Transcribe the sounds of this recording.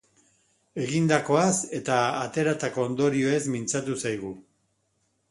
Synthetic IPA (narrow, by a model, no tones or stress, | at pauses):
e̞ɣind̪ako̞ase̞t̪aːt̪e̞ɾat̪ako̞ːnd̪o̞ɾio̞e̞zmint͡sat̪usajɣ̞u